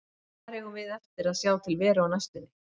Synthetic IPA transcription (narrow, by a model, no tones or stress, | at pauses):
aɾɛɣʏvɪðɛft̪ɪɾaðsjaːwt̪ʰɪlvɛːɾaawnajst̪ʏnːɪ